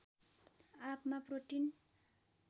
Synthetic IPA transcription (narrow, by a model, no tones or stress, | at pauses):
apmaproʈin